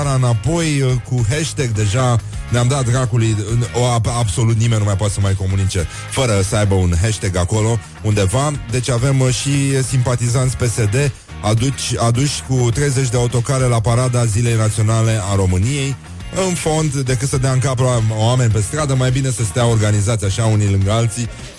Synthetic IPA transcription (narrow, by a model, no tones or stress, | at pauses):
ɾaɨnapo̞jkuɦeʃt̪e̞ɡ̚d̪e̞ʒaneamd̪at̪̚d̪ɾakulujoaabso̞lut̪nime̞nʲːumajpoat̪səmajko̞munit͡ʃe̞ | fəɾəsəajbəunɦeʃt̪e̞ɡako̞lo̞ | und̪e̞vad̪e̞t͡ʃʲave̞mʃisimpat̪izant̪sʲpe̞se̞d̪e̞ | ad̪ut͡ʃad̪uʃʲkut̪ɾe̞jze̞t͡ʃʲd̪eaut̪o̞kaɾe̞lapaɾad̪azile̞jnat̪sio̞nale̞aɾo̞mɨnije̞j | ɨnfo̞nd̪d̪e̞kɨt̪səd̪eaɨŋkapaame̞nʲpe̞st̪ɾad̪əmajbine̞səst̪eao̞rɡanizat̪sijaʃaunijlɨŋɡəalt̪si